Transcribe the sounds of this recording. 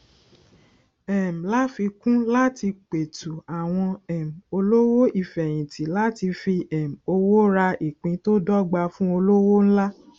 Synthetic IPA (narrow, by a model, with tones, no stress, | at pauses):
ɛ˨m̩˨la˦fi˧kũ˦la˦ti˧k͡pe˨tu˨a˨w̃ɔ̃˧ɛ˨m̩˨o˧lo˦wo˦i˦˨fɛ˨j̃ĩ˨tʰi˨˦la˦ti˧fi˧ɛ˨m̩˨o˧wo˦ɾa˧i˨k͡pĩ˧˦to˦dɔ˦ɡ͡ba˧fũ˦o˧lo˦wo˦ñ̩˦la˦